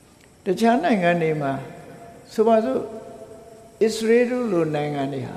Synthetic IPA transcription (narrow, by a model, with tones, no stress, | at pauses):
tət͡ɕʰa˦nã˨ɪ̃ŋã˨nde˨ma˨sʰo˨ba˨zo̰˦˨ | ʔɪ˦˨ʔsəɹe˦do̰˦˨lo˨nã˨ɪ̃ŋã˨nde˨ɦa̰˨